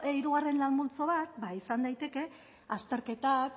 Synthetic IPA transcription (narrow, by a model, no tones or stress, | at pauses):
eiɾuɣ̞are̞nlalmult͡so̞βat̪̚baisand̪ajt̪e̞ke̞ | ast̪e̞ɾke̞t̪ak